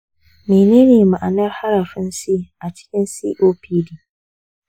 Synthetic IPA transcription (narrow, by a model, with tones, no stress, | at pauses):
meː˨neː˦neː˨ma˨ʔa˨nɐ˦rha˦ɾɐ˨ɸɪ˦nsi˦ʔa˨t͡ʃɪ̥˦kʲɪ˦nsḭː˦ʔoː˦piː˦diː˦